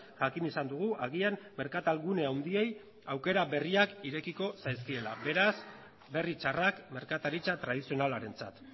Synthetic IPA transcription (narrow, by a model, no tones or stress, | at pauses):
ʝakinisand̪uɣ̞uʔaɣiamme̞ɾkat̪alɣune̞awnd̪ie̞j | awke̞ɾaβe̞riakiɾe̞kiko̞sajskie̞labe̞ɾas | be̞rit͡ʃarakme̞ɾkat̪aɾit͡ʃat̪ɾað̞isio̞nalaɾe̞nt͡sat̪